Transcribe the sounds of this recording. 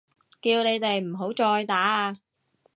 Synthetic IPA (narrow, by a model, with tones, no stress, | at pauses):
kiː˧wne˨˧jt̪e˨jm̩˨˩ɦo˨˥wt͡sɔː˧jt̪aː˨˥aː˧